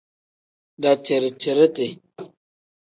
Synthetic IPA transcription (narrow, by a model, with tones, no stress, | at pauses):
da˨t͡ʃe˨ɾt͡ʃə˨ɾə˦te˨